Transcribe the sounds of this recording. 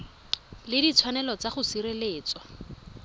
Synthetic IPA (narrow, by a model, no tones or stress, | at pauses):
lɪdit͡sʰwanɛlɔt͡saχʊsiɾeleːt͡sɔ